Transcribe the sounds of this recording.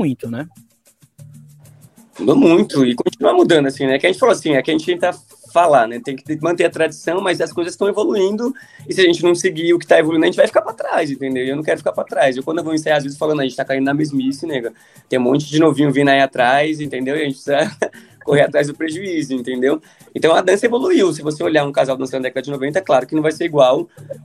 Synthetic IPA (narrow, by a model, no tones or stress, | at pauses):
mũj̃t̪ʊnɛ | mud̪omũj̃t̪ʊɪkõt͡ʃinuɐmud̪ɐ̃nd̪ʊasĩnɛkɪɐʒẽt͡ʃɪfaloasĩɛkɪaɐʒẽnt͡ʃɪt̪ẽkt̪a | falanɛt̪ẽj̃kɪ̥mɐ̃nt̪eɾɐt̪ɾad͡ʒisɐ̃w̃mɐjzɐskojzɐsst̪ɐ̃w̃evoluĩnd̪ʊ | ɪsɪaʒẽnt͡ʃɪnɐ̃w̃sɪɡiʊkɪt̪aevoluĩd̪ɐʒẽt͡ʃɪvajfi̥kaɾpɾat̪ɾajzẽnt̪̬ẽnd̪ewɪewnɐ̃kɛɾʊfikaɾpɾat̪ɾajzewkɐ̃d̪ewvowmĩsajazvezsfalɐ̃d̪ɐʒẽt͡ʃɪt̪akaĩnd̪ʊnamezmʊisĩneɡɐ | t̪ẽj̃ũmõnt͡ʃɪd͡ʒɪnovĩɲʊvĩnaiat̪ɾajz̬ẽt̪ẽd̪ewɪɐʒẽt͡ʃɪpsizɐ | koheɾat̪ɾajzd̪ʊpɾeʒuizʊẽnt̪ẽd̪ew | ẽnt̪ɐ̃w̃ɐd̪ɐ̃sɐevoluiwsɪvoseoʎaũkazawd̪ɐ̃sɐñd̪ɛkɐd̪ɐd͡ʒɪnovẽnt̪ɐɛklaɾʊkɪnɐ̃vajseɾiɡwaw